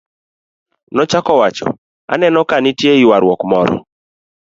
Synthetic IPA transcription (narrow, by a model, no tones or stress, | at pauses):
nɔt͡ʃakɔwat͡ʃɔ̰ | a̰nɛnɔkanɪtjeiwaɾwɔkmɔɾɔ̰